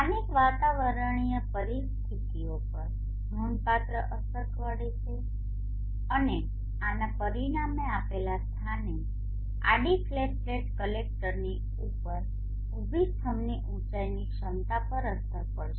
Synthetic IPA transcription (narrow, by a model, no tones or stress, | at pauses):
anikʋat̪aʋəɾəɳ̃ijəpəɾist̪ʰit̪iopəɾ | ɡɾunpat̪ɾəʔəsəɾkʋəɽet͡ʃʰe | əne | anapəɾiɽ̃ameapelast̪ʰane | a̰ɖiflesleʈkəlek̚ʈəɾni | upəɾ | ubʱit̪ʰəmniʔũt͡ʃajniʃənt̪apəɾəsəɾpəɽʃe